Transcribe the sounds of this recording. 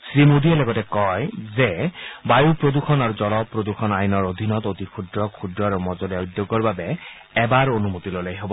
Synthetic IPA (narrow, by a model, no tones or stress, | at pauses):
sɹimod̪iɛlɔɡɔtɛkɔjzɛbajupɹod̪uxʰɔnaɹuzɔlɔpːɹod̪uxʰɔnajnɔɹod̪ʱinɔtot̪ikʰudɹɔkʰudɹɔɹumɔzɔliaud̪joɡɔɹbabɛː | baɹonumotilolajɦobɔ